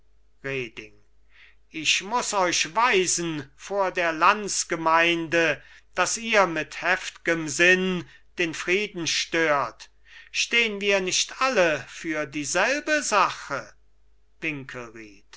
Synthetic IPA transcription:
ʁeːdɪ̰ŋ | ɪçmʊsɔʏʃvaɪzn̩foːɐdeːɐlansɡ̥əmaɪndəd̥asiːɐmɪthɛftɪɡəmzɪn | d̥eːnfʁ̥iːdn̩ʃtøːɐt | ʃteːənviːɐnɪʃtʔaləfyːɐdiːzɛlbəzaχə | vɪŋkʰəlʁiːt

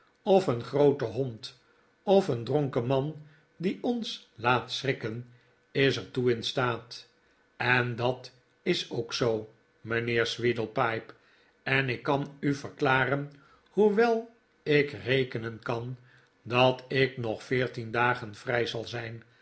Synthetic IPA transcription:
ɔfənχrowtəɦɔnt | ɔfəndrɔŋkəmɑn | diɔnslaːtsrɪkən | ɪsəɹtuɪnstaːt | ɛndɑt | ɪsowksow | mənɪːɹsʋidəl̩ˠpɑjp | ɛnɪkːɑnyvərklaːrən | huʋɛlˠ | ɪkrejkənənkɑn | dɑtɪknɔχfɪːɹtindaːχənfrɛjzɑlˠzɛjn

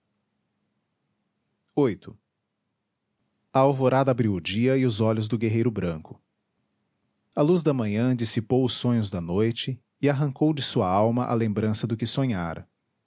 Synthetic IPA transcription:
ojt̪ʊ | ɐawvoɾad̪ɐabɾiwʊd͡ʒiɐɪʊzɔʎʊzd̪ʊɡeɦejɾʊbɾɐ̃kʊ̥ | ɐluzd̪ɐmɐ̃ɲɐ̃d͡ʒisipowʊsːõɲʊzd̪ɐnojt͡ʃɪː | aɦɐ̃ŋkowd͡ʒɪsuɐawmɐʔɐ̰lẽmbɾɐ̃sɐd̪ʊkɪsõɲa̰ɾɐ̰

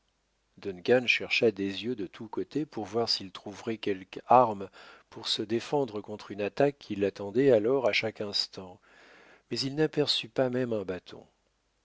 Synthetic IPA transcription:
d̪ɔnkanʃɛʁʃad̪ezjød̪ət̪ʰukot̪epuʁvwaʁsilt̪χuvʁɛkʲɛlkaʁmpuʁsəd̪efɑ̃d̪ʁəkɔ̃t̪χynat̪akʰːilːat̪ɑ̃d̪ɛalɔʁaʃakɛ̃st̪ɑ̃ | mɛzilnapɛʁsypamɛmɛ̃bat̪ʰɔ̰̃

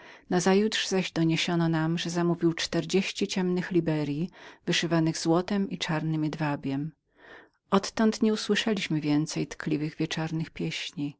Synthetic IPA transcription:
nazajut̪ʂz̥aʑd̪ɔɲeɕɔnɔnamʐɛzamuvʲiwt͡ʂt̪ɛɾd͡ʑeɕt͡ɕit͡ɕɛmnɘxlʲibɛɾʲjivɘʂɘvanɘɣzwɔt̪ɛmʔit͡ʂaɾnɘmʲɛd̪vabʲjɛm | ʔɔt̪ːɔnt̪ɲɛuswɘʂɛlʲiɕmɘvʲjɛnt̪sɛjt̪klʲivɘɣvʲjɛt͡ʂaɾnɘxpʲjɛɕɲi

